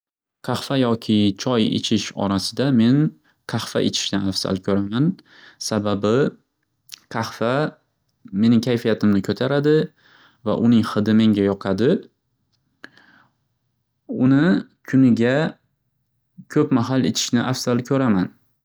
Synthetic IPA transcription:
qʰɑhfajɒkʲʰɪt͡ʃʰɒjḛt͡ʃʰɪʃɒ̰ɾasɪd̪ame̞n | qʰɑhfa̰ʔet͡ʃ̪ʰɪ̥ʃnɪafsa̰lkʰɵɾaman | sababɪ | qʰɑhfa | me̞nɪŋkʲʰajfijat̪ʰɪmnɪkʰɵt̪ʰaɾad̪ɪ | va̰ʔʊnɪŋχɨd̪ɪme̞ŋɡʲajɒqʰad̪ɪ | ʊnɪkʲʰʊnɪɡʲa | kʲʰɵpmaɦalḛt͡ʃ̪ʰɪ̥ʃnɪʔafsalkʲʰɵɾaman

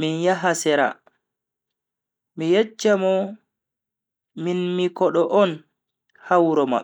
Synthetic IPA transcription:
minjaɦasɛɾa̰ | mijɛt͡ʃːamɔ | minmikɔɗɔʔɔn | hawɾɔma̰

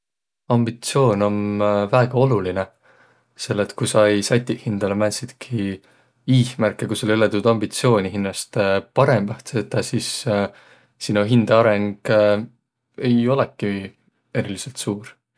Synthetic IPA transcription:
ɑmb̥it̪sio̞ːno̞nvæeɡ̥ɑo̞luline | se̞lːet̪kusɑjsɑjt̪ʲːiʔhind̪̥ɑlemænʲsid̪̥kʰi | iːhmærkˑːekusolyled̪ud̪̥ɑmbit̪sio̞ːnʲiɦinːɑst̪pɑɾe̞mb̥ɑht̪set̪ːˑɑsis | sinuɦind̪̥eɑɾeŋɡ̥ | e̞jo̞lekːˑi | e̞ɾiliselt̪suːɾ

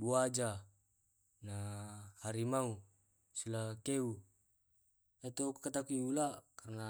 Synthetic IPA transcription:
buad͡ʒa | nahaɾimau | sulakeu | at̪okkat̪akuiulakarna

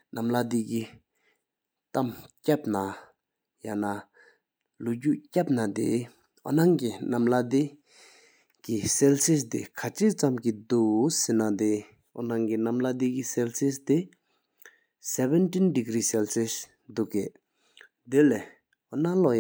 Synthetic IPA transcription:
nʔamlad̪iki | t̪amcap̚na | jana | luʔcuʔcap̚nat̪ḭ | ʔɔ̰naŋkinamlad̪i | kisɛlsist̪ḭkʰat͡ɕʰit͡samkid̪usenad̪i | ɔ̰naŋkinamlad̪ikisɛlsist̪i | sɛbɛntindiɡɾiːsɛlsis | d̪uʔkeʔ | d̪ele | ʔɔnalɔj

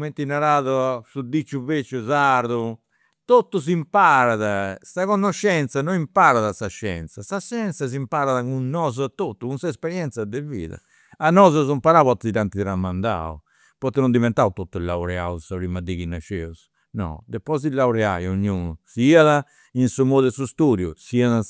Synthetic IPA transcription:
ment̪inaɾaːðɔasud̪it͡ʃːuvet͡ʃːuzaɾðu | t̪ot̪ːuzimpaɾaðasaɣɔnːɔʃːɛnt̪sanoimpaɾaðasaʃːɛ̰nt̪sasaʃɛnt̪sasimpaɾaðakunːɔzat̪ot̪ːukunsaɛspɛɾjɛnt̪sad̪ɛvḭːða̰ | anɔːzɔzumpaɾaβɔt̪ːɛit̪ant̪iɛɾamːand̪a̰ṵ | pɔt̪ːɛnund̪ivɛnt̪aut̪ot̪ːulːawɾɛausaβɾimad̪iɣinaʃɛus | nɔ̰d̪ɛpːɔzilːawɾɛa̰joɲːuːnusiaða | insumod̪ɛsust̪uːdjṵsiaða

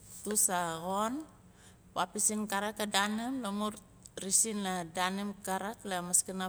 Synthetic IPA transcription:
tusaɣon | papisinkaɾakadanimlamuɾ | ɾisinladanimkaɾaklamaskana

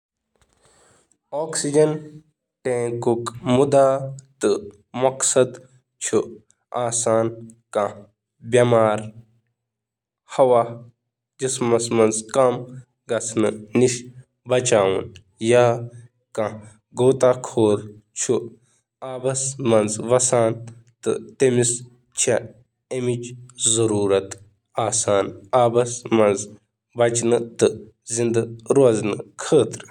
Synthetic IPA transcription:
oːksid͡ʒɐn | ʈẽːkukmud̪at̪ɨ | mɐksɐd̪ | t͡ʃʰu | aːsaːnkã | bjɐmaːɾ | hɐwaː | d͡ʒismɐsmɐnzkɐm | ɡɐsʰnɨniʃ | bɐt͡ʃaːṵn | jaː | kã | ɡoːt̪aːkʰoːɾt͡ʃʰu | aːbɐsmɐnzʋɐsaːnt̪ɨt̪emis | t͡ʃʰa | emid͡ʒzɐɾuːɾɐt̪ | aːsaːnaːbɐsmɐnz | bɐt͡ʃnɨt̪ɨ | zind̪ɨɾoɐznɨkʰəːt̪ɾ

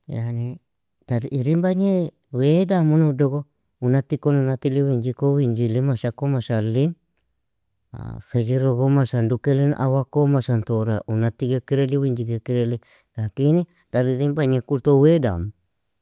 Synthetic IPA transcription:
ja̰ni | t̪aɾiʔiɾimbaɲe | wedamunudoɡo | unat̪ikononat̪iliwiɲd͡ʒikowiɲd͡ʒilimasakomasalin | a̰fed͡ʒiɾoɡomasandukelinʔa̰wakomasant̪oɾaʔunat̪ikekiɾeliwiɲd͡ʒiɡekiɾele | lakini | t̪aɾiɾimbaɲekult̪oweda̰m

